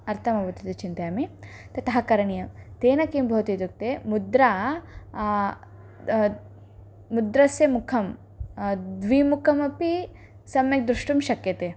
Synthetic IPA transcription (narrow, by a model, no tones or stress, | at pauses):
ɐɾt̪ʰɐmɐbɐt̪it̪ɐt͡ʃint̪ɐjami | t̪ɐt̪ɐɦɐkɐɾɐɳijɐmt̪eːnɐkimbʱɐːt̪it̪uk̚t̪emud̪ɾaː | mud̪ɾɐsjɐmukʰɐm | d̪ʋiːmukʰɐmɐpi | sɐmjɐk̚d̪ɾuʂʈumʃɐkjɐt̪eː